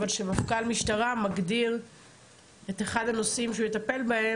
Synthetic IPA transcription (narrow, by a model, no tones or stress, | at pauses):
valʃebafkalmiʃtaʁamaɡdiʁ | e̞t̪eχad̪hano̞simʃ̬eujet̪ape̞lbahe̞